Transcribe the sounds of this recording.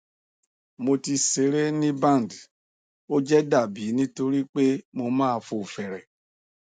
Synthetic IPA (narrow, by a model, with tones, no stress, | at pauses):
mo˧ti˧se˨˦ɾe˦nĩ˦bã˦˨n˨d | o˦d͡ʒɛ˦da˦˨bi˨˦nĩ˦to˧ɾi˦k͡pe˦mo˧mãː˦˧fo˨fɛ˨ɾɛ˨